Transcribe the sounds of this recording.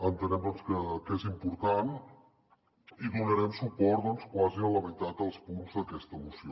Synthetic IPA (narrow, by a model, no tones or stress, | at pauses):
ənt̪ənɛmd̪ɔnskəkezimpuɾt̪an | iðunəɾɛmsupɔɾt̪d̪ɔnskwaziələmit̪at̪əlˠspunzðəkɛst̪əːmusio